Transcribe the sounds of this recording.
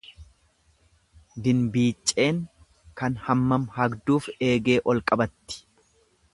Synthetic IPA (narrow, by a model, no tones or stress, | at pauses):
d̪ɪnbiːt͡ʃʼːe̞ːŋ | kɐnhɐmːɐmhɐɡd̪uːfe̞ːɡe̞ːʔɔlkʼɐbɐt̪ːɪ̥